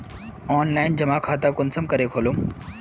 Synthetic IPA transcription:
ɔːnlaːɪnd͡ʑɐmaːkʰaːt̪akʊnsəmkɐɾekʰoːlom

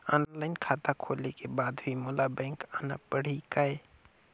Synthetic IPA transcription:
ɔːnlaɪnkʰat̪akʰolekebaːd̪bʱimolabɛ̃ːŋkana̰pəɽ̤ikae

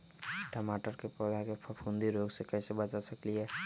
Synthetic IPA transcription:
ʈəmaːʈəɾkepɔd̪akepʰəfʰũnd̪iɾoːɡsekɛːsebət͡ʃasɐkliɦɛː

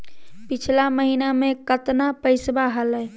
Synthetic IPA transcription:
pit͡ʃʰlaməɦinamẽkət̪napəɪsbaɦələ

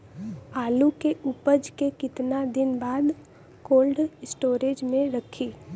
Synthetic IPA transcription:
aːlukeʊpəd͡ʒkekɪt̪nad̪ɪnbaːd̪ | koːlɖsʈoːɾeːd͡ʒmẽɾəkʰiː

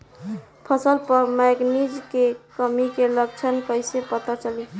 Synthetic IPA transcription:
pʰəsəlpəɾmeɡnid͡ʒkekəmikelək̚t͡ʃʰənkəɪsepət̪at͡ʃəli

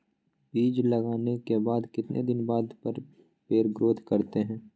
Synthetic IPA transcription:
biːd͡ʒlɐɡaːnekebaːd̪kɪt̪nʔḛd̪ɪnbaːd̪pəɾ | peːɾɡɾoːd̪ʱkɐɾt̪eɦɛ̃ː

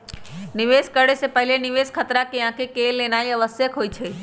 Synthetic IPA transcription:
nɪʋeːskəɽesepəɦɪlenɪʋeːskʰət̪ɾakeãːkʰekeːlːeːnaːiɐʋəsjəkɦoːit͡ʃʰeː

